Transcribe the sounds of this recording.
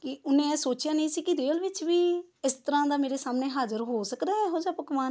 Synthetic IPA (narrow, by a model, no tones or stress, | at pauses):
kɪʊnẽːsoːt͡ʃjaːnə̃ĩːsiːkɪd̪eːlʋɪt͡ʃʋiːɪst̪əɾãːd̪aːmeːɾeːsaːmneːɦaːzəɾɦoːsəkd̪aːɛɦoːd͡ʒaːpəkʋaːn